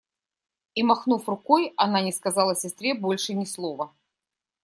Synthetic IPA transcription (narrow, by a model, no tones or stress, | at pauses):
imɐxnufrʊkojɐnanʲɪskɐzɑlˠəɐsʲɪst̪ɾʲebolʲʂɨnʲɪslˠovə